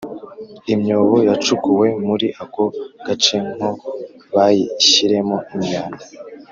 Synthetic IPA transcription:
imɲo̞ːβo̞jat͡ʃukuwe̞muɾiʔakoɡ̥at͡ʃe̞ŋ̥o | βajiɕiɾe̞moimɲaːna

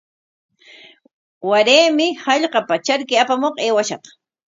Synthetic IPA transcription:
waɾeːmɪhɑʎɢɑpat͡ʃaɾkɪapamoqeːwaʃɑ̰χ

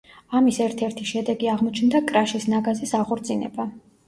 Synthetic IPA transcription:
amisɛɾt̪ʰɛɾt̪ʰiʃɛd̪ɛɡiaʁmɔt͡ʃʰnd̪akʼɾaʃisnaɡazisaʁɔɾt̪sʰʼinɛ̰ba

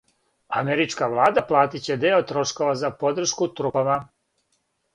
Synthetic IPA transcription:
a̰meɾit͡ʃkaʋlˠaːd̪aplˠaːt̪it͡ɕe̞d̪eot̪ɾo̞ʃko̞ʋazapo̞d̪r̩ʃkut̪ɾupama

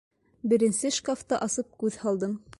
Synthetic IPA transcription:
bɘ̆ɾɘ̆nsɘʃkaft̪ɑʔɑsɤp̚kʉðhɑlˠd̪ɤm

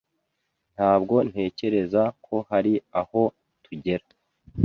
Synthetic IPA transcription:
n̥haːbɡo̞n̥he̞ːce̞ɾe̞zakʰo̞haɾiaho̞ | tʰuɟe̞ɾa

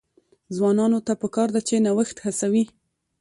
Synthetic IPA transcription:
zwɑnɑnot̪apəkɑɾd̪at͡ʃenawəxt̪hasawi

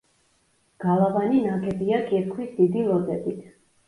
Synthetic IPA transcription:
ɡ̥alˠavaninakʰɛbiakʼɛɾkʰwisd̪id̪ilˠɔd̪ɛbit̪ʰ

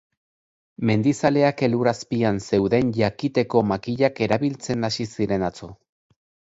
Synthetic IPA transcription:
me̞nd̪isale̞ake̞luɾaspianse̞wðe̞nʝakit̪e̞ko̞makiʎake̞ɾaβilt͡se̞nasisiɾe̞nat͡so

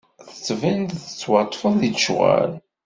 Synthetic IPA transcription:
θə̥t͡sːvənd̪θə̥t͡sːwɑt̪ˤːfəððiʃʁa̰l

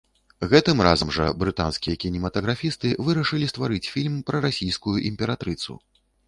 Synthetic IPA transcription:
ɣɛt̪ɨmra̰zɐmʐɐ̰bɾɨt̪a̰nskʲijɐkʲinʲɛmɐt̪ɐɣɾafʲist̪ɨvɨɾɐʂɨlʲist̪vaɾɨt͡sʲfʲilʲmpɾɐɾasʲijskujuʔimʲpʲɛɾat̪ɾɨt̪sṵ

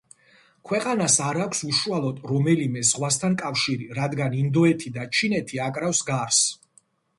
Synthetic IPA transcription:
kʰwɛqʼanasaɾakʷʰsuʃualˠɔd̪ɾɔmɛlimɛzʁwast̪ʰankʼafʃiɾiɾad̪ɡanind̪ɔɛt̪ʰid̪at͡ʃʰinɛt̪ʰiakʼɾafsɡaɾs

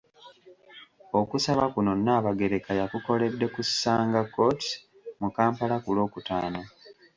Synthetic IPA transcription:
o̞kusaβakuno̞nːaːβaɡe̞ɾe̞kajakuko̞le̞dːe̞kusaːŋɡakːo̞ti̥ | mukaːmpalakulo̞ːkuta̰ːno

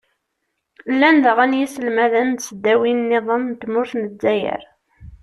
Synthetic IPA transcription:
lːænðəʁænjisəlmæðænt̪səd̪ːæwinnːeðˤəmnt̪ːmʊɾθnəzæjə̰ɾ

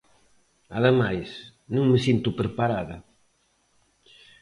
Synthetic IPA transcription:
aðemajsnũŋməsint̪ʊpɾepaɾaðɐ

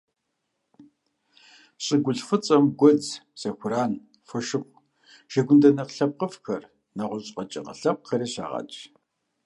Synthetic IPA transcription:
ɕʼɪɡʷʊɬfɨt͡sʼɐmɡʷɔd͡zsɐxʷʊɾaːn | fɨʃɪχʷ | ʃɐɡʷʊndɐnɐqɬɐp̚qəfxɐr | nɐʁʷʊɕʼqɐt͡ʃʼɐ̰qə̰ɬɐp̚xʰɐɾiːɕa̰ːʁɑ̰t͡ʃʼ

